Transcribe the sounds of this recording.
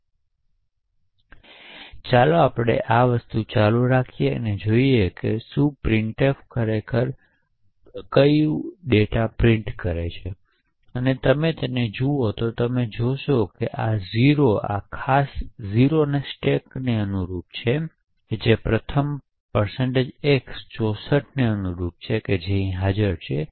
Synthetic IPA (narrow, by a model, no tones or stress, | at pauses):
t͡ʃaloapəɽ̃ḛʔaʋəst̪ut͡ʃaluɾakʰijeə̰ned͡ʒoiekesupɾɪɳʈefkəɾekʰəɾ | kəjuɖeʈapɾɪ̃ɳʈkəɾḛt͡ʃʰe | ənet̪əmet̪ened͡ʒuot̪ot̪əmed͡ʒoʃokeʔaziɾoa̰kʰasziɾonesʈekneənuɾup̪̚t͡ʃʰe | ked͡ʒepɾət̪ʰəm | pəɾseɳʈed͡ʒekst͡ʃɔsəʈʰneənuɾup̪̚t͡ʃʰeked͡ʒẽĩɦad͡ʒəɾt͡ʃʰe